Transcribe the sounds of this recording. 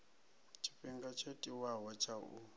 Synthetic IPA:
tʰʼi̥ɸiŋɡat͡ʃʰetʼiwaɦɔt͡ʃʰaʔu

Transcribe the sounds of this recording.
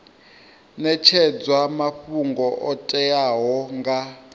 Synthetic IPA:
nɛt͡ʃʰɛd͡zwamaɸuŋɡɔʔɔtʼɛjaɦɔŋɡa

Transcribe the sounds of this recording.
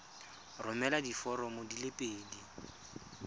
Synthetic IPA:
rʊmɛladifɔɾɔmodilepʼeːdi

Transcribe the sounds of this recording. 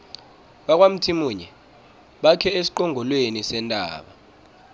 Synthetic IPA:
ɓak̬ʼwam̩tʰimuːɲɛ | ɓakʰɛesi̥ǃɔŋʱɔlwenisɛntʼa̰ːɓa̰

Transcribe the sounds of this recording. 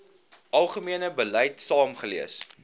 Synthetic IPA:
ʔɐlˠχəmiənəbəlɛjtsɑːmχəliəs

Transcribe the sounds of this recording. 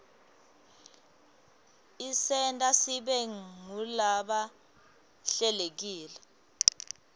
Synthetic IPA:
isɛntʼasiɓɛŋulaɓa | ɬɛlek̬iːlɛ

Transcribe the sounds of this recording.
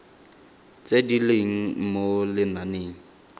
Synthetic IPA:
t͡sʼedileŋ̩molɪnaneːŋ̩

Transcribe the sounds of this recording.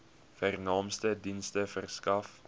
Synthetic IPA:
færnɑːmstədinstəfərskɐf

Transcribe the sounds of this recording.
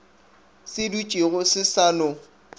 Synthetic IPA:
sɪdut͡ʃʼiɣʊsɪsalʊ

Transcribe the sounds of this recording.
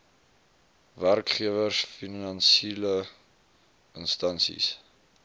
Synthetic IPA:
værkχiəvərsfinɐnsilə | ənstɐnsḭs

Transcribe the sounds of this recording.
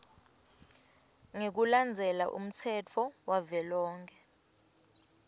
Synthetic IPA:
ŋek̬uland͡zʱɛla̰ʔṵm̩t͡sʰɛt͡fʰɔwavɛlɔːŋkʰɛ

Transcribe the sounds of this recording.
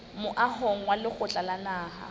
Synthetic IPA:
mʊʔahɔŋ̩walɪχʊt͡ɬʼalanaːha̰

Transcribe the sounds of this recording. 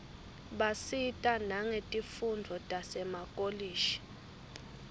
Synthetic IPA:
ɓasitʼanaŋetʼifundʱɔtʼasɛmakʼoliːʃi̥

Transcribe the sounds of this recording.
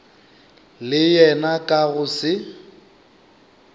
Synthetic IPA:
lɪjɛnakʼaɣʊsɪ

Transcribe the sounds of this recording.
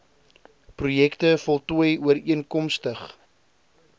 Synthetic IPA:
prujɛktəfɔlˠtuəjuəɾiənkɔmstəχ

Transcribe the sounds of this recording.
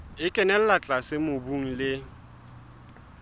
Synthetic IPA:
ɪkʼɛnɛl̩lat͡ɬʼasɪmʊbuŋ̩lɪ

